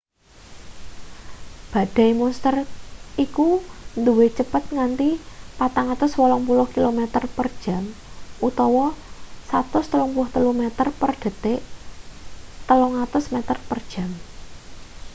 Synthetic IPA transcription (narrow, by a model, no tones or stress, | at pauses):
b̥a̤ɖ̥a̤jmunst̪ərikund̪uwet͡ʃəpət̪̚ŋant̪ipat̪aŋat̪ʊswɔlɔŋpulʊhkilomɛt̪ərpərd̥ʒ̥a̤mut̪ɔwɔsat̪ʊst̪əlɔŋpuʊht̪əlʊhmɛt̪ərpərɖ̥ə̤t̪eʔ | t̪əlɔŋat̪ʊsmɛt̪ərpərd̥ʒ̥a̤m